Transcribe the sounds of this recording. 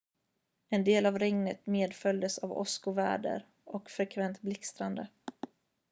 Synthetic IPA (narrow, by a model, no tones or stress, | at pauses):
ɛnd̪eːlavɾɛŋnət̪meːd̪fœld̪əsavɔ̰skʊvæ̰ːɖə̰ɾ | ʔɔkfɾɛkʰvɛnt̪blɪkst̪ɾand̪ə